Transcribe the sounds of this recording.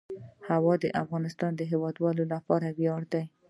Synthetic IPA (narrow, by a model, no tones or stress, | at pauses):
hawɑd̪əʔafɣɑnɪst̪ɑnd̪əɦewɑd̪wɑlolapɑɾabjɑɽd̪aj